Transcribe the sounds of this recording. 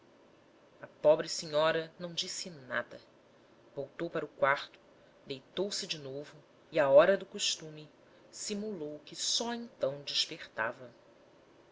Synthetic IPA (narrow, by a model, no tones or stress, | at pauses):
ɐpɔbɾɪsiɲɔɾɐnɐ̃w̃d͡ʒisɪna̰d̪ɐ | vowt̪owpaɾʊkwaɾt̪ʊ̥ | d̪ejt̪owsɪd͡ʒɪnovʊ | iɐɔɾɐd̪ʊkoʃt̪ũmɪ | simulowkɪsɔẽnt̪ɐ̃w̃d͡ʒɪʃpeχt̪a̰vɐ